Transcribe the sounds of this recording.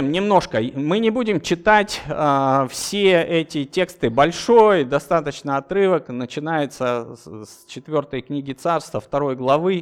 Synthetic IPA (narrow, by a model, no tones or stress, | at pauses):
mnʲɪmno̞ʂkəmɨnʲɪbudʲɪmt͡ɕɪt̪atʲəfsʲeɛtʲɪtʲe̞kst̪ɨbɐlʲʂo̞jd̪ɐst̪at̪ət͡ɕnəɐt̪ɾɨvəknət͡ɕɪnajɪt̪səst͡ɕɪt̪vʲo̞rt̪əjknʲiɡʲɪt̪sarst̪vəft̪ɐɾo̞jɡlˠɐvɨ